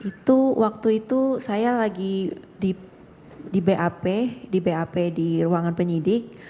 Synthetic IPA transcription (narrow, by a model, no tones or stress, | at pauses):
it̪uwak̚t̪uit̪usajalaɡi | di | dibeʔapedibeapediruaŋanpəɲidɪk̚